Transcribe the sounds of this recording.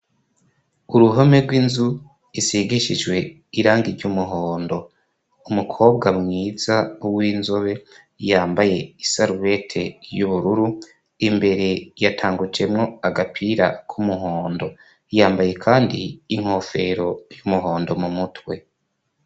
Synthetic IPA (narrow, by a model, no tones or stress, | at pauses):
uɾuɦomeɾɡwinzu | isiɡiʃid͡ʒwe̞ | iɾaːŋɡiɾɟumuɦo̞ːndo̞ | umukʰo̞ːbɡamŋiːzawiːnzo̞βe̞ | jaːmbaje̞isaɾuβe̞tʰe̞juβuɾuɾu | imbe̞ɾe̞jatʰaːŋɡut͡ʃe̞mŋo̞aɡapʰiɾa̰kʰumuɦo̞ːndo̞ | jaːmbaje̞kʰaːndiːŋ̥ho̞fe̞ɾo̞jumuɦo̞ːndo̞mumutwe̞